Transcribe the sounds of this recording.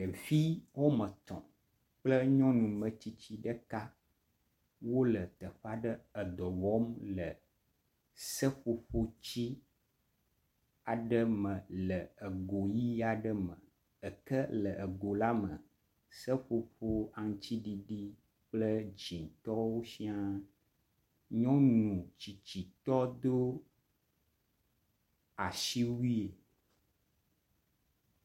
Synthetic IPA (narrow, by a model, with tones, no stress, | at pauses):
ə˨vi˦wo˦mə̃˨t̪ɔ̰̃˨ | k͡plə˦ɲɔ̃˦nũ˨mə̃˨t͡ɕi˦t͡ɕi˦ɖə˦ka˦ | wo˦lə˨t̪ə˨ɸa˦ɖə˦ə˨d̪ɔ˨wɔ˦mlə˨ | sə˦ɸo˦ɸo˦t͡ɕi˦ | a˨ɖə˦mə̃˨lə˨ə˨ɡo˨ji˦a˨ɖə˦mə̃˨ | ə˨kə˦lə˨ʔə˨ɡo˨la˦mə̰˨ | sə˦ɸo˨ɸo˦a˨ŋ˨t͡ɕi˦ɖi˦ɖi˦ | k͡plə˦d͡ʒĩ˨ŋ˨t̪ɔ˦wo˦si˦a˦ | ɲɔ̃˦nũ˨t͡ɕi˨t͡ɕi˨t̪ɔ˦d̪o˦ | a˨ʃi˦wi˦e˨